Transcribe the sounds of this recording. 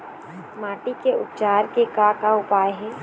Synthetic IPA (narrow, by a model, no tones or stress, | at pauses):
maːʈikeʊpt͡ʃaːɾkekakaʊpaːjɦɛː